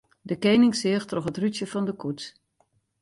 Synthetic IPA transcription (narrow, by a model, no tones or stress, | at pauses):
dəkejnɪŋsɪəxtrɔxɦətrytjəfɑndəkut